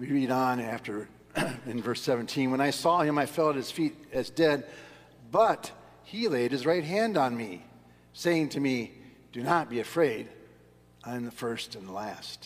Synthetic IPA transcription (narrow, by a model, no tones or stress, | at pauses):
wiɹiɾn̩æftə˞ | ɨ̃nvɜ˞sɛvɨ̃n̩tʰĩnwə̃ñaɪsɔhɨ̃maɪfɛlˠəɨz̥fiɾɨzdɛd̚ | bʌt̚ | hileɪd̚ɨzɹaɪt̚ɦæ̃ndn̩mi | seɪɪ̃ŋtʰɨmi | d̥ɨnət̚b̥iɨfɹeɪɾ | ʔãɪ̃mðəfɜ˞stɨ̃nðəlæst